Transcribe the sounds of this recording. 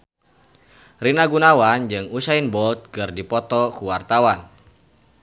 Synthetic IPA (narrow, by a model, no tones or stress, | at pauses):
rinaɡunawand͡ʒɨŋusainbɔlt̪̚kɨrdipɔt̪ɔkuwart̪awan